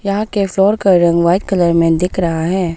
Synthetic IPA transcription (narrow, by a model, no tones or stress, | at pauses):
jɐɦãkeflɔːɾkɐɾɐ̃ŋɡʋaːɪt̪̚kɐləɾmẽd̪ɪkʰɾɐɦaɦɛː